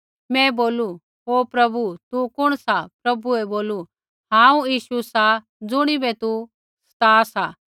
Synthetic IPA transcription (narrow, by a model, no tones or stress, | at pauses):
mɛ̃ːboːlu | ɦoːpɾɐbut̪ukʊɽ̃sapɾɐbuɛboːlu | ɦãːũjiːʃusa | d͡zʊɽ̃ibɛt̪u | sɐ̥t̪aːsa